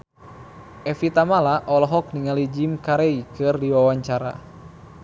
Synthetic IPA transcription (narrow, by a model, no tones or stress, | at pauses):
ʔɛfit̪amalaʔɔlɔɦɔk̚niŋalid͡ʒimkaɾeikɨrdiwawaɲt͡ʃaɾa̰